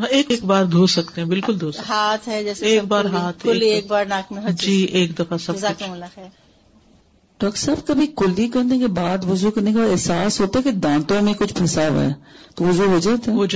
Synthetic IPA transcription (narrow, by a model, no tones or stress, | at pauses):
eːkːkbaːɾd̪ʱoːsɐk̚t̪ẽɦɛ̃bɪlkʊld̪ʱoːsɦaːt̪ʰɦɛd͡ʒɛːseeːkbaːɾɦaːt̪ʰʊlieːk̚baːɾnaːkmẽɦd͡ʒiːeːkd̪ɐfasɐbʊklːaxɛːɾ | ɖɔːksɐbkɐbʱikʊlikɐɾnekebaːd̪ʋʊzukɐɾnekebaːd̪ɛɦsaːsɦoːt̪aɛked̪ãːt̪õmẽkʊt͡ʃʰpʰɐsaːʋɛ̰ɛt̪oʋʊzuɦoːd͡ʒaːt̪ɛɦoːd͡ʒ